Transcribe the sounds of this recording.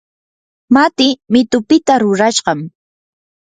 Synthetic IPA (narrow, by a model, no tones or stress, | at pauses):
mat̪ɪmɪt̪ʊpɪt̪aɾʊɾaʃɢɑm